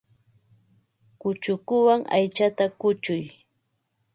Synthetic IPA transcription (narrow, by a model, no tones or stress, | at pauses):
kʊt͡ʃʊkʊwaŋa̰jt͡ʃat̪akʊt͡ʃʊj